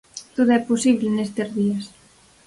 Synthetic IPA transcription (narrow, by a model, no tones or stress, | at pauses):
t̪oðoɛposiβlenest̪ezðias